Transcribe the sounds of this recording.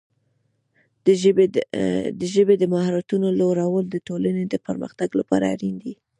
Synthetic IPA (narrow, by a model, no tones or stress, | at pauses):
d̪əʒəbed̪əmahɾat̪unoloɾawəld̪əʈolaned̪əpəɾmə̰xt̪aɡlapɑ̰ɾa̰ɾind̪i